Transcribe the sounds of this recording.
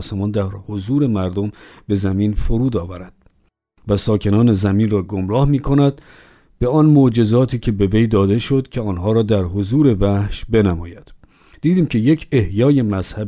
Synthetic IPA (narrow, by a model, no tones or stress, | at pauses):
semɒːnd̪æɾhozuːɾe̞mæɾd̪ombe̞zæmiːnfoɾuːd̪ɒːvæɾæd̪̥̚ | væsɒːcʰe̞nɒːne̞zæminrɒːɡomɾɒːhmiːkʰo̞næd̪ | b̥e̞ɒnmod͡ʒe̞zɒːt̪ʰiːcʰe̞be̞ve̞jd̪ɒːd̪e̞ʃo̞d̪cʲʰeɒːnɦɒːɾɒːd̪æɾɦozuːɾe̞væhʃbe̞næmɒ̰ːjæd̪̥ | d̪̥iːd̪iːmcʰe̞je̞cʰehjɒːje̞mæz̥hæ